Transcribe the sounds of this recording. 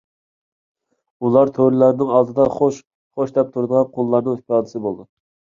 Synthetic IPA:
ulˠɑɾt̪ʰoɾɪlæɾnɪŋɑlˠd̪ɨd̪ɑχoʃ | χoʃd̪ɛp̚t̪ʰuɾd̪əʁɑnqʰonlˠɑɾnɨŋspɑd̪ɨsɨbolˠd̪u

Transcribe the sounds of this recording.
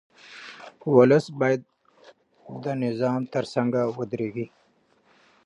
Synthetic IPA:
wʊləsbɑːjad̪̚ | d̪ənɪzɑːmt̪əɾsaŋɡawʊd̪ɾeɡi

